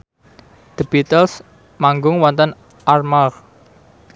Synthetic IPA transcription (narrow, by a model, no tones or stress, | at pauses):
d̪̥ibit̪əls | maŋɡʊŋwɔnt̪ən | ʔarmar